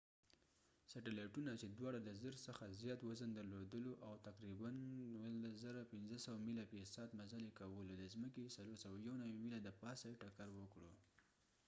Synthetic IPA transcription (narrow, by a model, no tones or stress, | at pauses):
saʈalɑjʈunat͡ʃed̪wɑɽad̪əzəɾsəxazjɑt̪wəzand̪əɾlod̪əloʔawt̪aqɾibanwəlazaɾapɪnzəsawamilapesɑt̪mazalekawəlod̪əzməkesaloɾsawajawnawimilad̪əpɑsajʈakaɾwəkɽo